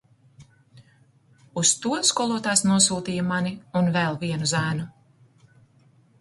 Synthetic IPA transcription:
ust̪uɔskɔlˠuɔt̪ajsnuɔsuːt̪iːjɐmaniunvɛlˠviɛnuzæːnu

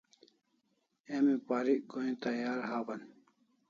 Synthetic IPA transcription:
emipaːɾiʔɡoĩt̪ɐjaːɾɦaːbɐn

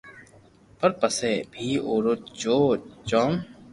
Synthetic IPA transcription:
pəɾpəseːbʱiːoːɾot͡ʃoːt͡ʃɔːm

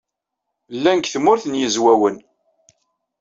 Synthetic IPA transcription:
lːænkθmʊɾθənjəzwæwən

